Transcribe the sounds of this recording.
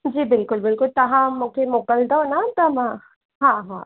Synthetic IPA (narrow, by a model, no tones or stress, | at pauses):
d͡ʒiːbɪlkʊlbɪlkʊlt̪ɐɦãmʊkemokəld̪ənat̪ɐmax | ɦãɦã̰